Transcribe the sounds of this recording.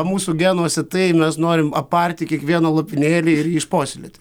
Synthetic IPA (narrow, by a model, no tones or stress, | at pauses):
muːsuɡʲænuɔsʲɛt̪ɐɪmʲɛsnoːɾʲɪmɐpɐɾʲt̪ʲɪkʲiɛkʋʲiɛnɐlˠopʲɪnʲeːlʲiɪɾjɪʃpoːsʲɪlʲḛt̪ʲ